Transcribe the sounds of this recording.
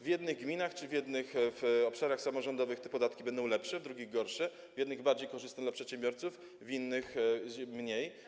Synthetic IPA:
vʲjɛd̪nɘɣɡmʲinaxt͡ʂɘvʲjɛd̪nɘxfɔpʂaɾaxsamɔʐɔnd̪ɔvɘxt̪ɛpɔd̪at̪̚kʲibɛnd̪ɔ̃w̃lɛpʂɛvd̪ɾuɡʲiɣɡɔɾʂɛ | vʲjɛd̪nɘɣbaɾd͡ʑejkɔʐɘst̪ɛd̪lapʂɛt̪ɕɛmbʲjɔɾt̪suf | vʲinːɘxmɲej

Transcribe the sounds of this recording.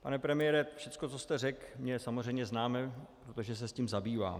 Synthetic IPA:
panɛpɾɛmɪjɛɾɛfʃɛt͡skot͡sost̪ɛrɛkmɲɛsamor̝ɛjmɲɛznaːmɛpɾot̪oʒɛs̬ɛsciːmzabiːva̰ː

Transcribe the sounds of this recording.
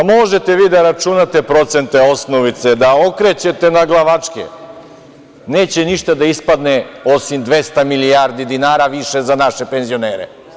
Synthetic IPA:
mo̞ʒet̪e̞ʋiːd̪aɾat͡ʃunat̪e̞pɾo̞t̪se̞nt̪eo̞snoʋit̪sed̪aokɾet͡ɕe̞t̪e̞naɡlˠaʋat͡ʂkḛ | ne̞ːt͡ɕe̞niʃt̪ad̪aispad̪neo̞simd̪ʋe̞st̪amilijaɾd̪id̪inaːɾaʋiʃezanaʃepenzio̞neːɾḛ

